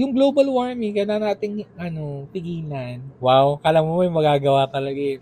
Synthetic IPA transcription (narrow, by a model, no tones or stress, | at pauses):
jʊŋɡloːbɐlwaɹmɪŋkɐjlaɐnaːt̪ɪŋʔɐno̞p̪ɪɡiːlanwawkɐʔlamomojʊŋmɐɡaːɡɐwaːt̪ɐlɐɡaɛ